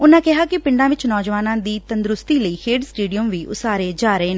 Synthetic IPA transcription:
ʊnãːkɪɦaːkɪpɪ̃ɳɖãːʋɪt͡ʃnɔːd͡ʒʋaːnãːd̪iːt̪ənd̪ɾʊst̪iːləiːkʰeːɖsʈeːɖijəmʋiːʔʊ̰saːɾeːd͡ʒaːɾəɦeːneː

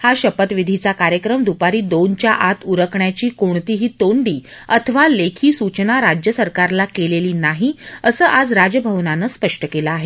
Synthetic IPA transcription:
haɕəpət̪ʋid̪ʱit͡sakaɾjəkɾəmd̪upaɾiːd̪ont͡ɕjaʔat̪uɾəkɳjat͡ɕiːkoɳt̪iːɦiːt̪oɳɖiː | ət̪ʰəʋalekʰiːsut͡ɕnaɾad͡ʑjəsəɾkaɾlakeleliːnaɦiəsəːʔad͡zɾad͡zəbʱəʋnanəːspəʂʈəkelaːɦe

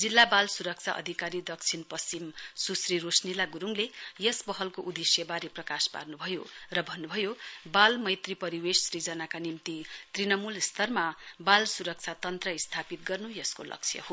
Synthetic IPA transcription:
d͡zilːabalsuɾʌk̚t͡sʰaʔʌ̰d̪ʱikaɾid̪ʌk̚t͡sʰinpʌst͡simsusrirosnilaɡuɾuŋlejʌsbʌɦʌlkoʔud̪esjʌbaɾeprʌkaspa̰rnubʱʌjorʌbʱʌnːubʱʌjobalmʌjt̪ripʌɾiwessrid͡zʌnakanimt̪it̪rinʌmulst̪ʌrmabalsuɾʌk̚t͡sʰat̪ʌnt̪rʌist̪ʰapit̪̚ɡʌrnujʌsko̰lʌ̰kt͡sʰjʌ̰ho

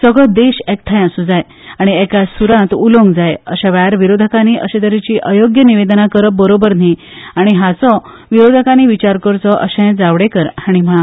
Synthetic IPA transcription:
səɡɭɔd̪eɕɛkʈ̪ʰãjəsũd͡zaj | aɽ̃iɛkasuɾãt̪ulɔ̃ŋɡd͡zajəɕaʋajaɾʋiɾod̪ʱəkañiʔəɕet̪əɾit͡ɕiːʔəjoɡjəniʋed̪ənakəɾəp̚bəɾobəɾn̤i | aɽ̃iɦat͡sɔ | ʋiɾod̪ʱəkañiʋit͡ɕaɾkəɾt͡sɔʔəɕə̃d͡zaʋɽẽkəɾaɽ̃im̤əɭa

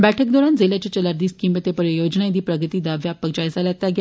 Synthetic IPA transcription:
bæʈʰək̚d̪ɔɾãnd͡zeljat͡ɕet͡ɕəlaɾd̪iːskimet̪epəɾəjod͡ʑnaid̪iːpɾəɡət̪iːd̪aʋjapːəɡd͡ʑajsalat̪ːaɡj

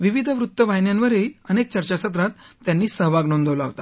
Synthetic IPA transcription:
ʋiʋid̪ʱəʋɾut̪ːəʋajnjanʋəɾeənek̚t͡ɕəɾt͡ɕasət̪ɾat̪ːjanːiːsəɦʋaɡnond̪əʋlaɦot̪a

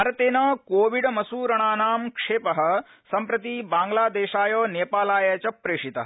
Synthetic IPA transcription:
ɾɐt̪eːnɐːkoːʋiɖmɐsuːɾɐɳ̃aːnaːmkʂeːpɐɦɐ̆ | sɐmpɾɐt̪iːbaːŋɡlaːd̪eːʃaːjoːneːpaːlaːjɐt͡ʃɐpɾeːʂit̪ɐɦ

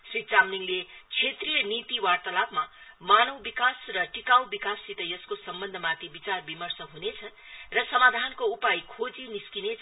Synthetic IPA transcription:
srit͡samniŋlet͡sʰet̪rijʌnit̪iwart̪ʌlapʰmamanʌwbikasrʌʈikaw̃bikasːit̪ʌjʌskosʌmbʌnd̪ʱʌmãt̪ʰibit͡sarbimʌrsʌɦunet͡sʰʌ | rʌsʌmad̪ʱankoupajkʰod͡ziniskinet͡sʰ

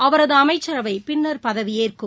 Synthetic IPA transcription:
ɐʋɐɾɐðɯɐmɐɪt͡ʃːɐɾɐʋɐɪpɪnːɐɾpɐðɐʋɪjeːrkɯm

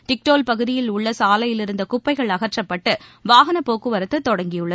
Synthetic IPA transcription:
ʈɪk̚ʈoːlpɐɣɯðɪjɪlʊɭːɐsaːlɐjɪlɪɾɯnd̪ɐkʊpːɐɪɣɐɭɐɣɐrʈrɐpːɐʈːɯʋaːɣɐnɐpoːkɯʋɐɾɐt̪ːɯt̪ːɔɽɐŋɡɪjɯɭːɐð

